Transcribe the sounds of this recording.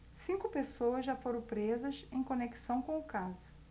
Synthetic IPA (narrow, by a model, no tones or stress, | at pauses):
sĩkʊpesowɐzʒafoɾɐ̃w̃pɾezɐsẽj̃kõneki̥sɐ̃w̃kõw̃ʊkazʊ